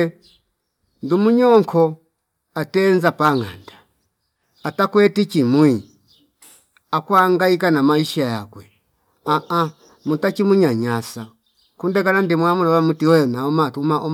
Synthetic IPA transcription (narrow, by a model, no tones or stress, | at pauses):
ndumuɲɔŋkʰɔ | atɛnzapaŋa̰nda | atakwɛtit͡ʃimwi | akwaŋɡaikanamaiʃaja̰kwɛ | aʔa | mutakimuɲaɲasa | kundɛkanandimwamulawamutiɔjɔnaɔmatumaʔɔ